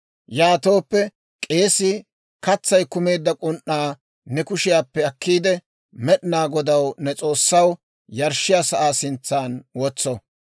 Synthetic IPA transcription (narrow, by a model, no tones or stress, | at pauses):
jaːt̪o̞ːpːɛ | kʼe̞ːsɪ | kɐt͡sːɐjkʊme̞ːd̪ːɐkʼʊnʔːaː | nɛkʊʃɪjaːpːɛɐkːiːd̪ɛ | mɛɗɪnaːɡɔd̪ɐwnɛt͡sʼo̞ːsːɐw | jɐɾʃːɪjaːsɐʔaːsɪnt͡sːaːnwɔt͡sːɔ